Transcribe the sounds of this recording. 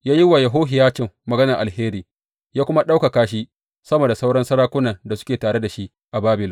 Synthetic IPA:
jaː˦jɪ˦wa˨jɐ˨ɦoː˦ɦɪ˨jaː˦t͡ʃɪ˨mːɐ˨ɡɐ˦nɐ˨ʔa˨heː˦ɾiː˨ | jaː˦kʷʊ˦ma˦ɗa˦wka˨kaː˦ʃ̬i˦ | sɐ˦moː˨da˨sa˦wɽɐ˦nsɐ˦ɽaː˦kʷʊ˦nɐ˨nda˨sʊ̥˦kʲeː˨taː˨ɽe˦da˨ʃi˦ʔ | ʔa˨baː˦bɪ˨l

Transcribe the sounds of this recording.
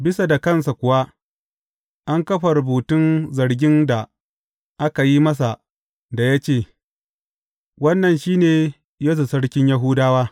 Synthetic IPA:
bɪ˦sa˨da˨kɐ˦˨nsa˨kʷʊ˨wa˦ | ʔa˦ŋkɐ˦ɸa˨ɾʊ˨buː˨tʊ˦nzɐ˨ɽɡʲɪ˦nda˨ | ʔa˦ka˨ji˦mɐ˦s̬a˨ | da˨ja˦t͡ʃeː˦˨ | wɐ˦nːɐ˨nʃiː˦neː˨ | ja˦z̬u˨sɐ˦ɽkʲɪ˦ɲja˦ɦʊː˦daː˦waː˦

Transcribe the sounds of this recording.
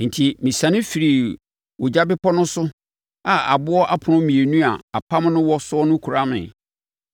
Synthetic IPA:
n̩˨tʰi˨mĩ˨sã˨nɪ̃˦fi˨ɾi˨ | wo˨d͡ʑa˦bɪ˦pʰɔ˦nʊ̃˦sʊ˦ | a˨a̰˨bʊ˦ɔ˦ʔa˦pʰʊ˨nʊ̃˦mĩ˨e˨nũ˦a˨a˨pʰa˦m˦nʊ̃˦wɔ˦sʊ˦ɔ˦nʊ̃˦kʰu˨ɾa˦mɪ̰̃˨

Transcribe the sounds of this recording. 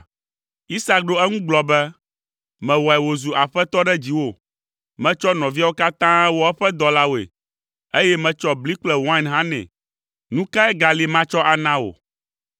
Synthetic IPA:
i˦sa˦k̚ɖo˦ɛ˦ŋũ˦ɡ͡blɔ˨bɛ˦ | mɛ̃˨wɔ˨ɛ˨wo˨zu˨ʔa˨ɸɛ˦t̪ɔ˦ɖɛ˦d͡ʑi˨wo˦ | mɛ̃˦t͡ʃɔ˦nɔ̃˨vi˦a˦wo˦ka˦t̪ã˦ɛ˦wɔ˦ɛ˦ɸɛ˦d̪ɔ˦la˦wo˨ḛ˨ | e˦jɛ˦mɛ̃˨t͡ʃɔ˦bli˦k͡plɛ˨wã˦nɦã˦nɛ̰̃˨ | nũ˦ka˦ɛ˦ɡa˨li˨˦mã˦t͡ʃɔ˦ʔa˨nã˦wo̰˨

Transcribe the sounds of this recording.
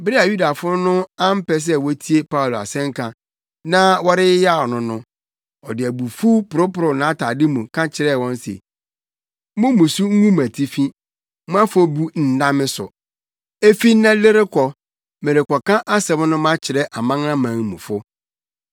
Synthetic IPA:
bɪ˦ɾɪ˦a˨ju˦da˨fʊ˦nʊ̃˦a˦m̩˦pɛ˨s̬ɛ˦wɔ˦tʰi˦e˦pʰa˦u˨lo˨a̰˨sɛ̃˦ŋ˦kʰã˨ | nã˦wɔ˦ɾɪ˦ɪ˦ja˦˨ɔ˨nʊ̃˨nʊ̃˦ | ɔ˨dɪ˨æ˨bu˨fu˦pʊ˨ɾʊ˦pʊ˨ɾʊ˨nã˨˦tʰa˨dɪ˦mũ˨kʰã˦t͡ɕʰɪ˨ɾɛ˦˨wɔ̃˦n˦sḛ˨ | mʊ̃˦mũ˨su˦ŋ̩˦ŋũ˦m˨æ˨tʰi˦fĩ˦ | m̃˦ã˦fo˦bu˦n̩˨dã˦mɪ̃˦sʊ̰˨ | e˦fi˦nã˦lɪ˦ɾɪ˦kʰɔ˨ | mẽ˨ɾɪ˨kɔ˨kʰã˦ʔa˦sɛ˨m˦nʊ̃˦mã˦t͡ɕʰɪ˨ɾɛ˦ʔa˨mã˦ŋ˦ã˦mã˨ŋ˨mṵ̃˨fʊ˦

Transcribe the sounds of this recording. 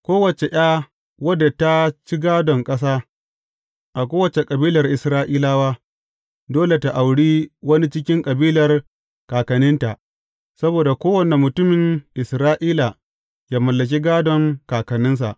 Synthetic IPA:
kʷoː˦wɐ˨t͡ʃe˨ʔj̰aː˦ | wɐ˦dːa˨ta˦t͡ʃi˦ɡaː˦dɔ˨ŋkʼɐ˦s̬aː˦ | ʔa˨kʷoː˦wɐ˨t͡ʃe˨kʼɐ˨biː˦lɐ˨rʔɪ˨sɾaː˦ʔiː˦laː˦waː˦ | doː˦le˨ta˨ʔa˨wɽiː˦wɐ˦ni˦t͡ʃɪ˦k̬ʲɪ˦ŋkʼɐ˨biː˦lɐ˨r | kaː˨kɐ˨nɪ˦nta˨ʔ | sɐ˦boː˨da˨kʷoː˦wɐ˨ne˨mʊ˨tʊ˦mɪ˨ŋʔɪ˨sɾaː˦ʔiː˦la˨ | jaː˦mɐ˨lːɐ˨k̬ʲi˦ɡaː˦dɔ˨ŋkaː˨kɐ˨nɪ˦ns̬a̰˨ʔ

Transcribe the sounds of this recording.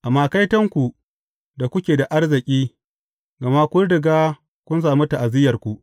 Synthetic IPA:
ʔa˨mːaː˨ka˦jtɐ˦ŋkʷu˨ | da˨kʷʊ˦kʲeː˨da˨ʔa˦rzɪ˨kʲʼiː˦ | ɡa˨ma˦kʷʊ˦ɽdɪ˨ɡaː˦ | kʷʊ˦ns̬aː˨mu˦ta˨ʔa˨zɪ˦jɐ˨rkʷu˨ʔ

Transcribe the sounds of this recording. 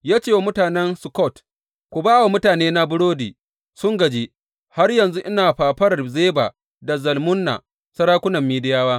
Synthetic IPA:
jaː˦t͡ʃeː˦˨wa˦mʊ˦taː˨nɛ˦nsʊ˨kɔ˦˨t | kʷʊ˨baː˦wa˨mʊ˦taː˨neː˦na˦bʊ˦ɽoː˦diː˨ | sʊ˦ŋɡɐ˨d͡ʒeː˦ | ha˦rjɐ˨nzu˦ʔɪ˦naː˨ɸaː˨ɸɐ˦rzeː˦ba̰ː˨ | da˨zɐ˨lmʊ˦nːa̰˨ | sɐ˦ɾaː˦kʷʊ˦nɐ˨mːiː˦dɪ˦jaː˦waː˦

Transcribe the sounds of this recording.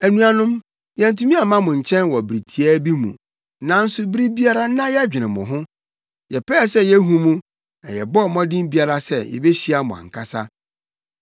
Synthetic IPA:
æ˨nũ˦a˨nʊ̃˦m | jɛ̃˨n̩˨tʰu˦mĩ˦a˨mã˦mʊ̃˨ɲ̩˨t͡ɕʰɛ̃˦nwɔ˨bɾi˨tʰi˨ɛ˦bi˦mṵ̃˨ | nã˨n̩˦sʊ˦bɾi˦bi˦a˦ɾa˦nã˦jɛ˦d͡ʑᶣɪ˨nɪ̃˨mʊ̰̃˨ɦʊ̃˦ | jɛ˨pʰɛː˦˨sɛ˦jɛ˦ɦũ˦mũ˦ | ɛ˨jɛ˨bɔ˦˨mɔ̃˦dɪ̃˦m˦bi˦a˨ɾa˦sɛ˦jɛ̰˨bɛ˦ɕi˦a˦mʊ̃˨ã̰˨ŋ̩˨kʰa˦sa˦

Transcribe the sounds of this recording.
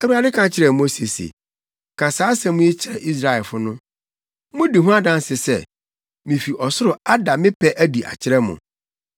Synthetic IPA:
ɛ˦wu˦a˨˦dɪ˦kʰã˨t͡ɕʰɪ˨ɾɛ˨mo˦se˨sḛ˨ | kʰã˨saː˨˦sɛ̃˨mʊ̃˦i˦t͡ɕʰɪ˨ɾɛ˨ʔi˦s̬ɾa˨ɛ˨lfʊ˦nʊ̃˦ | mʊ̃˦di˨ɦũ˦a˦dã˦nsɪ˨sɛ˦˨ | mĩ˨fi˨ʔɔ˨sʊ˦ɾʊ˨a˦da˨mɪ̃˦pʰɛ˦ʔæ˦di˨ʔa̰˨t͡ɕʰɪ˦ɾɛ˦mʊ̰̃˨

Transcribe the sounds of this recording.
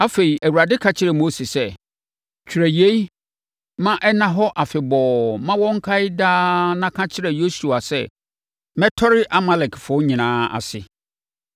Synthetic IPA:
a˦fe˨i˨ʔæ˨wu˨a˨dɪ˦kʰa˦t͡ɕʰɪ˦ɾɛ˨mo˦si˨sɛ˦ | t͡ɕᶣʰi˨ɾæ˨je˦i˦ | mã˦ʔɛ˦nã˦ɦɔ˦ʔa˨fɪ˨bɔː˨mã˦wɔ̃˦ŋ̩˦kʰa˦ɪ˦daː˦nã˦kʰã˦t͡ɕʰɪ˦ɾɛ˨jo˦su˨a˨sɛ̰˦ | mɛ̃˦tʰɔ˦ɾɪ˦ʔa˦ma˦lɛ˨kʰfʊ˨˦ɲĩ˨nãː˦a̰˨sɪ̰˨

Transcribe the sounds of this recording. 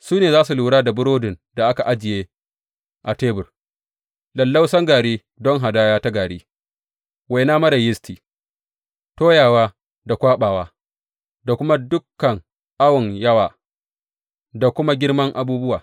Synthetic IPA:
suː˦neː˨zaː˦su˨luː˨ɽaː˦da˨bʊ˦ɾoː˦dɪ˨nda˨ʔa˦ka˨ʔa˦d͡ʒɪ˨jeː˦ | ʔa˨teː˦bʊ˨r | lɐ˨lːa˦wsɐ˦ŋɡaː˨ɽeː˦ | dɔ˦ŋɦa˨daː˦jaː˦ta˦ɡaː˨ɽeː˦ | wa˨jnaː˦mɐ˦ɾa˨jɪ˦stiː˨ | toː˦jaː˨waː˦ | da˨kʷaː˦ɓaː˨waː˦ | da˨kʷʊ˦ma˦dʊ˦kːɐ˨ŋ | ʔa˦wɔ˨ŋjɐ˦waː˨ | da˨kʷʊ˦ma˦ɡʲɪ˦rmɐ˦ŋʔa˨buː˦bʊ˦wa̰ː˨

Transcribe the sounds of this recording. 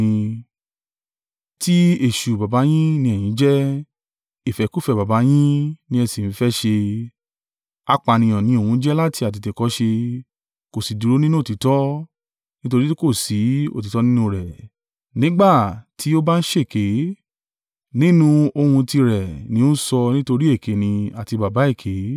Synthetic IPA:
ĩ˧ | ti˦e˦˨ʃu˨ba˨ba˨˦j̃ĩ˦nĩ˦ɛ˦˨j̃ĩ˨˦d͡ʒɛ˦ | i˨fɛ˨˦ku˦˨fɛ˧˨ba˨ba˨˦j̃ĩ˦nĩ˦ɛ˧si˨n̩˨˦fɛ˦ʃe˧ | a˧k͡pa˧˨nĩ˧ɔ̃˨nĩ˨˦o˨hũ˧˦d͡ʒɛ˦la˦ti˧a˨t̬i˧te˨kɔ˨˦ʃe˧ | ko˨si˨du˨ɾo˦nĩ˦nũ˦o˦˨ti˨˦tɔ˦ | nĩ˦to˧ɾi˦ko˦˨si˨˦o̰˦˨ti˨˦tɔ˦nĩ˦nũ˧ɾɛ˨ | nĩ˦ɡ͡ba˦˨ti˨˦o˦ba˦n̩˦ʃe˦˨ke˨˦ | nĩ˦nũ˧o˧hũ˧ti˧ɾɛ˨nĩ˨˦o˦sɔ˧nĩ˦to˧ɾi˦e˦˨kʰe˨˦nĩ˧a˨ti˧ba˨ba˨˦e˦˨kʰe˨˦

